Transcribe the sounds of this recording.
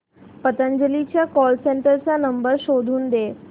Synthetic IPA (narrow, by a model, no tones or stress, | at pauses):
pət̪əɲd͡ʒəlit͡ɕjakɔlseɳʈəɾt͡sanəmbəɾʃod̪ʱuːnd̪e